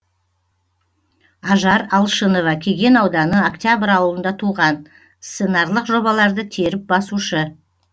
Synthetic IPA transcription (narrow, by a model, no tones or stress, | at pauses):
ɑʒɑɾɑlˠʃəno̞vɑkʲʰe̞ɡʲe̞nɑwd̪ɑnəokt̪ʲjabəɾɑwəlˠənd̪ɑt̪ʰuʁɑn | sse̞nɑɾlˠəqʒo̞bɑlˠɑɾd̪ət̪ʰe̞ɾɪp̚bɑsuʃə